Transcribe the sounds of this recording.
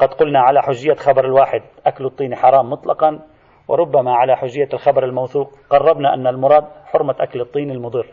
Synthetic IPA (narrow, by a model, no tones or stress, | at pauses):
qɑd̪qʊlnaʕalaħʊʒːɪjːaxabɑɾˤɪlwaːħɪd̪̚ʔakalɨt̪ˤːiːniħɑɾˤɑːmːʊt̪ˤlɑqɑn | wɪ̰ɾˤʊbːamaʕalaħʊʒɪjːalxabɑɾˤɪlmawθuːq | ɡɑrˤːɑbnaʔa̰nːalmʊɾˤɑːd̪̚ħʊɾmaʔa̰klɨt̪ˤːiːnɪlmʊd̪ˤɨɾː